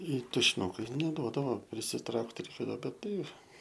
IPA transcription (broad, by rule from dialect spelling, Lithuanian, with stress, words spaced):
ɪ tʊʃʲɪˈnʊkɐɪ nʲɛˈduɔdɐʋoː pʲrʲɪsʲɪˈtrɐʊkt rʲɛɪˈkʲeːdɐʋoː bʲɛt ˈtɐɪ